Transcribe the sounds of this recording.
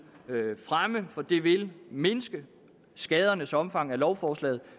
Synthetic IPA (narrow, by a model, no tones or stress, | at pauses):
fʁaməfɒ̽d̥e̝ʋe̝lme̝nəsɡ̥ə | sɡ̥ɛːð̞ˠɐnəsɒ̽mfɑ̈ŋ̰ælɒʊfɒːslɛ̰ːð̞̩ˠ